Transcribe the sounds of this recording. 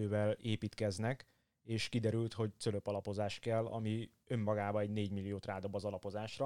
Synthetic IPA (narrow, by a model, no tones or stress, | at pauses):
øːvɛleːpiːt̪kɛznɛk | eːʃkid̪ɛɾylt̪ho̞ct̪søløpɒlɒpo̞zaːʃkɛlːɒ̰mi | ø̞mːɒɡaːbɒɛɟneːɟmilːijoːt̪raːd̪o̞bːɒzɒlɒpo̞zaːʃrɒ